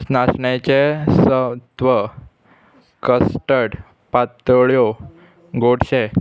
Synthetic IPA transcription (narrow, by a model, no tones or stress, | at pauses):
snasɳet͡ɕesət̪ʋə | kəsʈəɽ | pat̪əɭjo | ɡoɽɕe